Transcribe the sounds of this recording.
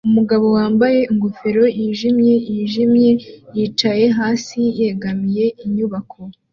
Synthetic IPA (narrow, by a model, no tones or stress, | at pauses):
umuɡaβo̞waːmbaje̞iŋɡufe̞ɾo̞jiːʒimje̞jiːʒimje̞jiːt͡ʃaje̞ɦaːsije̞ɡamije̞iɲuβakʰo